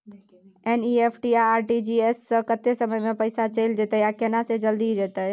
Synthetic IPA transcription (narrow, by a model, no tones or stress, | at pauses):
eniepʰʈiaaɾʈid͡ʒiesːəkət̪esəməjmepəjsat͡ʃəjld͡ʒet̪əjjakenased͡ʒəld̪id͡ʒet̪əj